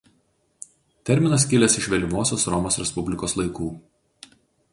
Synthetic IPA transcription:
t̪ʲɛɾʲmʲɪnɐs̬kʲɪlʲɛsɪʃʲʋʲɛlʲɪmoːsʲoːsɾɔmoːsɾʲɛspʊbʲlʲɪkoːslˠɐɪkuː

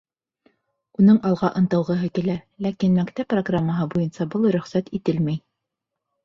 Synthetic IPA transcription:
unɤɴɑlˠʁɑʔɤ̆nt̪ɤ̆wʁɤ̆ɦɤkilælækinmækt̪æpːroɡramːəɦɤbujɤnsɑbɤlˠɾɵ̆χsæt̪it̪ɘlmæj

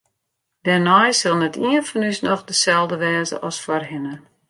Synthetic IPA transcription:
d̥ɛrnɔjsɪlˠnətʰiənfɔnysnɔxdəsɛlˠdəʋɛːzə̰ʔɔsfɔrɦɪnə

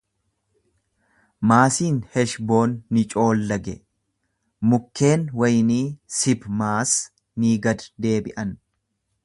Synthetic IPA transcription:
maːsiːnhɛʃbo̞ːnːɪt͡ʃʼo̞ːlːɐɡɛ | mʊkːe̞ːnwɐjniːsɪbmaːs | niːɡɐd̪d̪e̞ːbɪʔɐn

